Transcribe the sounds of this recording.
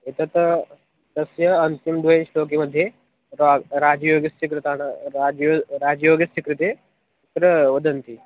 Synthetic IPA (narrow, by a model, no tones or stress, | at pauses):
it̪ɐt̪ | t̪ɐsjɐɐnt̪imd̪ʋəʃloːk̬eməd̪ʱːje | ɾaɾad͡ʒjoːɡjɐst͡ʃikɾɨt̪aːɳ̃ɾad͡ʒoɾaːd͡ʒjoːɡjɐsikɾit̪e | t̪ɾəʋəd̪ənt̪i